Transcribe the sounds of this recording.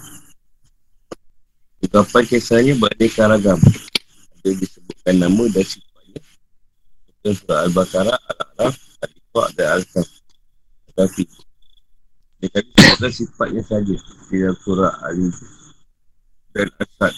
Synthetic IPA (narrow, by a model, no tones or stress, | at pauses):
kəɡapajkesaɲabəɾadakaɾaɡam | adadisəbut̪̚kanːamə̃dansipat̪̚ɲa | ut̪ansuɾaʔalibakaɾaʔa̰la̰ɾafalika̰ʔdanalsaŋ | tt̪ət̪api | nakalisəbuʔ̚kansipat̪̚ɲasad͡ʒəsidaŋsuɾaʔa̰li | dana̰lsat̪̚